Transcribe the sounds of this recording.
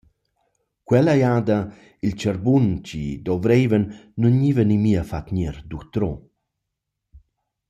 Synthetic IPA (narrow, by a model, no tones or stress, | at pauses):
kwɛlajaːd̪a | ilt͡ʃəɾbunt͡ʃḭd̪ɔvɾejvənːunivənimiəfat̪ɲɛɾd̪ut̪ɾɔ